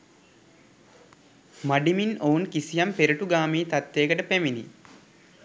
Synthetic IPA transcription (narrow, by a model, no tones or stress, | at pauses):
maɖiminounkisijampeɾɐʈuɡaːmiːt̪at̪ːeːkəʈəpemini